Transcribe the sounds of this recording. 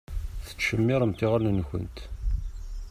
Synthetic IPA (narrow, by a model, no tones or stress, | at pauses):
θə̥t͡sːʃəmːɪɾˤəmt̪iʁəlnənçə̰nt̪